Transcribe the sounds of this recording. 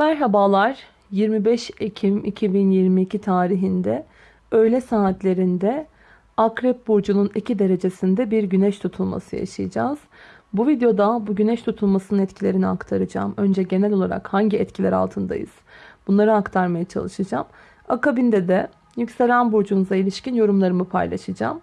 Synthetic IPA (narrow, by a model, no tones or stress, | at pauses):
mæɾɦabaːlˠaɾ̥ | jiɾmibɛʃecʰimicʰibinjiɾmiːcʰit̪ʰaːɾiɦind̪ɛ | ø̞jlʲɛsaːt̪lʲe̞ɾind̪ɛ | akɾɛp̚buɾd͡ʒununicʰid̪e̞ɾe̞d͡ʒe̞sind̪ɛbiɾɟynɛʃt̪ʰut̪ʰulˠma̰sɯja̰ʃajɯd͡ʒaːz̥ | buvid̪ejo̞d̪abuɟynɛʃt̪ʰut̪ʰulˠmasɯnɯnɛt̪cʰilʲe̞ɾiniakt̪ʰaɾɯd͡ʒa̰ːmø̞nd͡ʒɛɟe̞nælʲo̞lˠa̰ɾa̰khaɲɟiɛt̪cʰilʲæ̰ɾa̰lˠt̪ʰɯnd̪a̰jɯ̰z̥b̥unlˠaɾɯakt̪ʰaɾmajat͡ʃʰa̰lˠɯʃɯd͡ʒam | akabind̪ɛd̪ɛ | jycse̞lʲænbuɾd͡ʒunuzailʲiʃcinjo̞ɾumlˠaɾɯmɯpʰa̰jlˠa̰ʃɯd͡ʒa̰m